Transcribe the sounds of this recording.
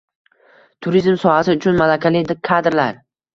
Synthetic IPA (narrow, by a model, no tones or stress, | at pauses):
t̪ʰʊɾizmsɒhasɪʊt͡ʃʰʊnmalakʲʰalɪd̪ɪkʰad̪ɾlaɾ